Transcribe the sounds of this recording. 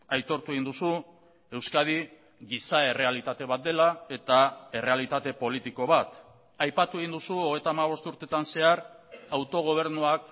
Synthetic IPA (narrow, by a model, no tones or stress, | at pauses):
ajt̪o̞ɾt̪ue̞ɣind̪usu | e̞wskað̞i | ɣisae̞re̞alit̪at̪e̞βat̪̚d̪e̞lae̞t̪ae̞re̞alit̪at̪e̞po̞lit̪iko̞β̞at̪ | ajpat̪ue̞ɣind̪usuo̞ɣe̞jt̪aːmaβ̞o̞st̪uɾt̪e̞t̪anse̞aɾ | awt̪o̞ɣ̞o̞β̞e̞ɾnuak